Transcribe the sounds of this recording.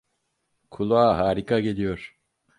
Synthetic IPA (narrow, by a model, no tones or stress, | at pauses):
kʰulˠaːɦaːɾikʰaɡe̞lʲijo̞ɾ̥